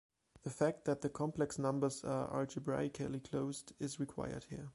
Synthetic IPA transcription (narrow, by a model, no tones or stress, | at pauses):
ðəfæk̚t̪̚ðæt̪̚ðɨkʰɑ̃mpʰlɛksnʌ̃mbə˞zə̰ʔa̰ɹd͡ʒɨbɹa̰ɪɪkʰəlˠikʰl̥oʊzdɪzɹikʰw̥a̰ɪə̰˞d̚hiɹ